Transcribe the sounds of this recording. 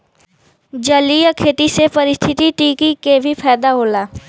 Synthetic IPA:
d͡ʒəlijəkʰeːʈ̪isepɐɾɪst̪ʰɪt̪iʈiːkikebʱipʰɛːd̪aɦoːlaː

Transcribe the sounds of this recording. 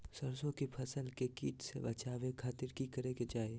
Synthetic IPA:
sɐɾsõkipʰɐsəlkekiːʈsḛbɐt͡ʃaːʋekʰaːt̪ɪɾkikɐɾeɡed͡ʒaːe

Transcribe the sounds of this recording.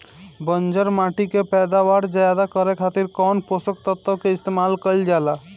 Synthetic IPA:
bənd͡ʒəɾmaʈikepɛːd̪aʋaɾd͡ʒajad̪akəɾekʰat̪iɾkɔnposək̚t̪ət̪ːəkeɪst̪emalkəild͡ʒala

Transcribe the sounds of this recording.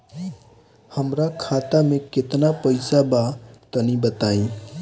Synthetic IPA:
hɐmɾakʰaːt̪amẽkɪt̪napəɪsabat̪ənibət̪aːi

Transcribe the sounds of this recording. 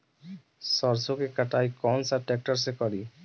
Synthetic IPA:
sɔɾsokekaʈajkɔnsaʈɛk̚ʈɔɾs̬ekɔɾi

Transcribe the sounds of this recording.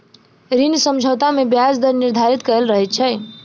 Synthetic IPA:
ɾinsəmd͡ʒʱəwt̪amebjasd̪əɾniɾd̪ʱaɾit̪kəɾəlɾəɦɛt͡ʃʰə

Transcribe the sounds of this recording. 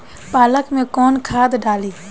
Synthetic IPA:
paːləkmẽkoːnkʰaːd̪ɖaːliː

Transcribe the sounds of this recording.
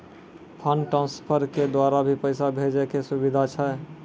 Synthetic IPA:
pʰənʈɾãnspʰəɾked̪waɾabʱipəɪsabʱed͡ʒekesubid̪ʱat͡ʃʰɛ

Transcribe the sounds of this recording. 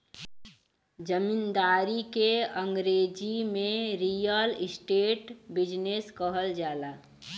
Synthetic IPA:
d͡ʒəmind̪aːɾikeəŋɡɾed͡ʒimẽɾijəlɪsʈeːʈbɪd͡ʒneskəɦəld͡ʒaːla

